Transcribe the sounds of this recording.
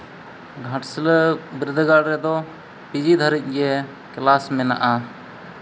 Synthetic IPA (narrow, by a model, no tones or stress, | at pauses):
ɡʱaʈsələbɾid̪ʱəɡaɽɾɛd̪ɔ | pid͡ʒid̪ʱaɾic̚ˀɡɛ | klasmɛna̰ʔa